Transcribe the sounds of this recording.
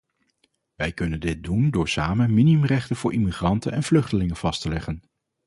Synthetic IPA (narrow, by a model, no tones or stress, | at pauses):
ʋɛjkɵnəndɪt̚dundʊːɹsaːmənminiɵmrɛχtənv̥ʊːɹʔimiχrɑntənɛnvlɵχtəlɪŋəv̥ɑstəlɛχən